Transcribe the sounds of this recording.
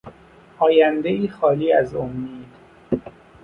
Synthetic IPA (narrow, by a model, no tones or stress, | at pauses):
ʔɒːjænd̪eiːxɒːliːæzomːiːd̪